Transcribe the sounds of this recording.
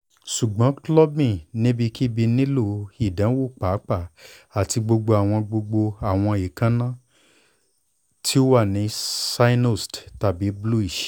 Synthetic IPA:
ʃu˨ɡ͡bã˨˦klɔ˦bĩ˦˨nĩ˦bi˧ki˦bi˧nĩ˦lo˦˧˨i˨dã˨˦wo˦˨k͡pa˨˦k͡pa˦˨a˨ti˧ɡ͡bo˧ɡ͡bo˧a˨w̃ɔ̃˧ɡ͡bo˧ɡ͡bo˧a˨w̃ɔ̃˧i˨kã˦nã˦˨ | tʰi˦o˦wa˦˨nĩ˨˦sa˧i˦no˦˨stta˦˨bi˨˦blu˦i˨ʃ

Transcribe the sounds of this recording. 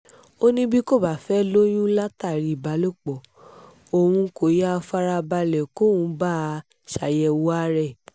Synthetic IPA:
o˦nĩ˦bi˦ko˦˨ba˦˨fɛ˦lo˦j̃ũ˦la˦ta˦˨ɾi˨ba˨˦lo˦˨k͡pɔ˨ | o˨wũ˧ko˨ja˦a˧fa˦ɾa˧ba˧lɛ˨ko˦˨wũ˨˦ba˦˨˧ | ʃa˨jɛ˧wu˦a˦ɾɛ˦˨

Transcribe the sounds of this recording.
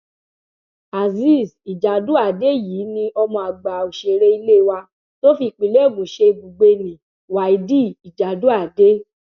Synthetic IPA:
a˨zi˦˨si˨d͡ʒa˨du˦a˦˨de˨˦˨jiː˨˦nĩ˧ɔ˧mɔ̃˧a˨ɡ͡ba˨o˨ʃe˨ɾe˦i˧le˦˨wa˧ | to˦fi˧˨k͡pi˨le˦˨mũ˨˦ʃe˧ɡ͡bu˨ɡ͡be˧nĩ˨ | wa˨i˨di˦˨i˨d͡ʒa˨du˨˦a˦˨de˦

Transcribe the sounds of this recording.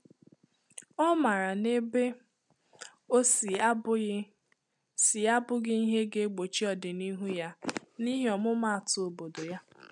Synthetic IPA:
ɔ˦ma˨ɾa˨ne˦be˦ | o˦s | si˨a˦bʊ˦ɡɪ˦i˦ɦe˦ɡe˦ɡ͡bo˨t͡ʃi˦ɔ˨dɪ˨ni˦ɦu˦ja˦ni˦ɦe˦ɔ˨mʊ˦ma˦a˨tʊ˨o˨bo˨do˨ja˦

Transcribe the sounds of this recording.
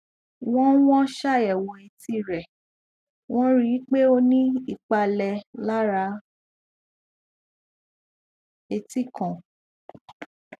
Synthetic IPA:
w̃ɔ̃˦w̃ɔ̃˦ʃa˦˨ɛ˨wɔ˨e˨ti˦˨ɾɛ˨ | w̃ɔ̃˦ɾi˦k͡pe˦o˧nĩ˦i˦˨k͡pa˧lɛ˧la˦ɾa˧˦ | e˧ti˦˨kɔ̃˨

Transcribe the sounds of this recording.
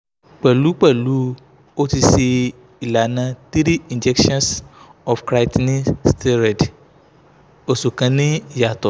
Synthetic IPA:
k͡pɛ˨lu˨˦k͡pɛ˦˨lu˨˦ | o˦ti˧si˧ | i˨la˨nã˧ti˦ɾi˦ĩ˨nd͡ʒɛ˦kʃɔ̃˦nsɔ˨fkɾa˧˦tnĩ˦ste˦ɾɛ˨d | o˨so˨kã˧nĩ˦ja˨tɔ˨

